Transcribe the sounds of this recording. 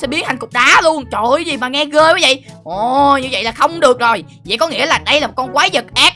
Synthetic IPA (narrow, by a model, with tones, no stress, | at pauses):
sɛ̰˧˥ɓi˨˦əthʰa˨˩ŋkʊ˨˩k͡p̚ɗaː˨˦lu˧ənt͡ɕo˨˩˨zi˨˩maː˨˩ŋɛ˧ɣəː˧a˨˦və̰˧˨jʔo˨˩ɲɨ˧və̰˧˨jlaː˨˩xə˧wŋ͡mɗɨ˨˩ək̚zo˨˩j | və̰˧˨kɔ˨˦ŋḭ˧˥əlaː˨˩ɗə˧jlaː˨˩mo˨˩t̚kɔ˧nkwaː˨˦zə˨˩t̚ʔɛː˦˥k̚